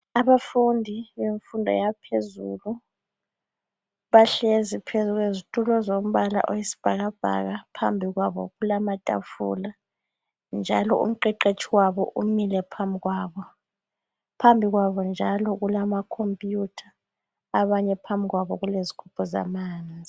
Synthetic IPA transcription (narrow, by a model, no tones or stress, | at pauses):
aβafundʱiβeɱfundʱɔ̰japʰezṵːlu | βaɬezipʰezuɣwezitʼulɔzom̩βala̰ʔojisi̥b̥ʱaɣab̥ʱa̰ɣapʰambʱiɣwaβɔ̰ɣulamatʼa̰fṵla | nd͡ʒʱalɔṵm̩ǃɛǃet͡ʃʰʼiwaβɔ̰ʔumilɛpʰambʱiɣwaːβɔ | pʰambʱiɣwaβɔnd͡ʒʱalɔɣulamakʰompʼjutʰaː | βaɲɛpʰambʱiɣwaβɔɣulezikʰupʰɔza̰maːnd͡zʱi